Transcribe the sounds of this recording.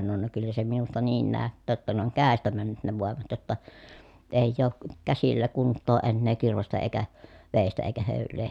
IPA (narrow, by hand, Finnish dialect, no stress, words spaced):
sɑnon no kylːæ se minustɑ niːn næˑøtːæː tːæ ne oŋ kæˑestæ mænːyt ne ʋoˑemɑt jotːɑ eˑijˑ oːk kæsilːæ kuntːoː enːeː kirʋestæ eikæ ʋeˑistæ eikæ høˑylˑeː